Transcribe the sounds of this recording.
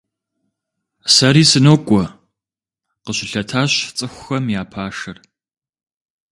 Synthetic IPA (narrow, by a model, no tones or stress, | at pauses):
sɐɾiːsɨnoːkʷʼɔ | qəɕɪɬɐtʰaːɕt͡sʼɨxʷʊxɐmjaːpʰaːʂɐr